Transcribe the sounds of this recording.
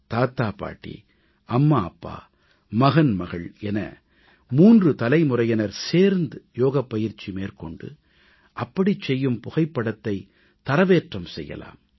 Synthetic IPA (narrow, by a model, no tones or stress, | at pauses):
t̪aːt̪aːpa̰ːʈːḭ | ʔɐmːaːɐpːa̰ː | mɐɣɐnmɐɣɐɭɛnɐ̰ | muːndrɯt̪ɐlɐɪmʊrɐjɐnɐɾseːɾnd̪ɯjoːɣɐpːɐjɪɾt͡ʃːimeːrkɔɳɖɯ̰ | ʔɐpːɐɽit͡ʃːɛjːɯmpʊɣɐɪpːɐɽɐt̪ːɐɪ | t̪ɐɾɐʋeːʈrɐmsɛ̰jːɐ̰la̰ːm